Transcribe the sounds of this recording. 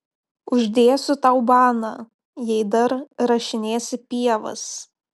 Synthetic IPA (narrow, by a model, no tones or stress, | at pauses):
ʊʒʲd̪ʲeːsʊt̪ɐʊbɑːnɑ | jɛɪd̪ɐɾɾɐʃʲɪnʲeːsʲɪpʲiɛʋɐ̰s